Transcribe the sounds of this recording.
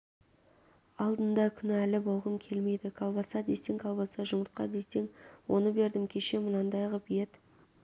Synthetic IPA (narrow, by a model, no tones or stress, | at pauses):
ɑlˠd̪ənd̪ɑkʲʰʏnælɪbo̞lˠʁəmkʲʰe̞lme̞jd̪ɪkʰɑlˠbɑsɑd̪e̞seŋkʰɑlˠbɑsɑʒʊməɾt̪̚qɑ̰d̪e̞se̞ŋwo̞nəbe̞ɾd̪ɪmkʲʰe̞ʃe̞mənɑnd̪ɑjʁəbijet̪